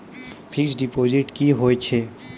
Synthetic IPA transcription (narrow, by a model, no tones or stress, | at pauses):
pʰiksɖipod͡ʒiʈkiɦojt͡ʃʰe